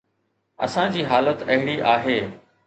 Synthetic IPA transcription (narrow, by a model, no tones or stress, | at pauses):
ɐ̰sãd͡ʑiːɦaːlət̪ɐɦɪɽiʔaːɦeː